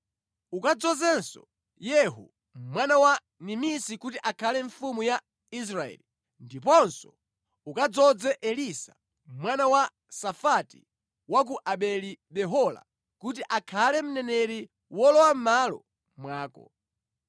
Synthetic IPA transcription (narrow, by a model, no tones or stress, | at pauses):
ukad͡zɔzɛnsɔ | jɛɦṵ | mwanawa | nimisikutiʔakʰalɛɱfumuja | is̬ɾaɛ̰li | ndipɔnsɔ | ukad͡zɔd͡zɛʔɛlisa̰ | mwanawa | safatḭ | wak̬uʔaɓɛliɓɛɦɔla̰ | kutiʔakʰalɛm̩nɛnɛɾi | wɔlɔwam̩malɔ̰ | mwaːkɔ̰